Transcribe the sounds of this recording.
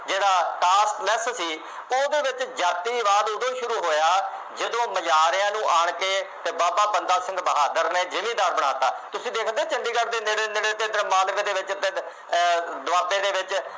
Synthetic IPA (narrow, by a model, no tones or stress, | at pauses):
d͡ʒeːɽaːʈaːsʈlɛssiː | oːd̪eːʋɪt͡ʃd͡ʒaːt̪iːʋaːd̪ʊd̪õːʃʊɾuːɦoːjaː | d͡ʒəd̪õːməd͡ʒaːɾjãːnũːʔaːɳkeːt̪eːbaːpaːpənd̪aːsɪ̃ŋɡbəɦaːd̪əɾneːd͡ʒɪmĩːd̪aːɾbəɽ̃a̰ːt̪aːt̪ʊsĩːd̪eːkʰd̪eːt͡ʃɪnd̪iːkəɾd̪ɪ̃nd̪end̪eɽet̪ɪ̃nd̪əɾəmaːlkd̪eːʋɪt͡ʃt̪e | d̪ʊaːt̪ẽːd̪eːʋɪt͡ʃ